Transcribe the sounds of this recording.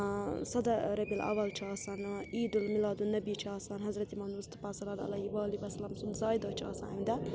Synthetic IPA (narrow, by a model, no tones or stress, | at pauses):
sɐd̪ɐɾɐbilʔɐ̰ʋɐlt͡ʃʰaɐːsɐniːd̪ulmilaːd̪unːɐbit͡ʃʰaːsɐnɦɐzɾɐt̪imɐnɾust̪u̥paːsɐlɐd̪ɐ̰lɐjiʋaːlibɐsɐlaːmsunzaːjd̪ɐt͡ʃʰːsa̰ɐmd̪ɐ